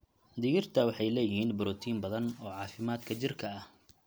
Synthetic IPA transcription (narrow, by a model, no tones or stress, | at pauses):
d̪ɪɣɪrt̪ʰɐwɑħɑjlɛːjɪhiːnbʊɾɔːt̪ʰiːnbɐðɐnɔːʕɑːfɪmaːd̪kʰɐt͡ʃɪrkʰɐɐh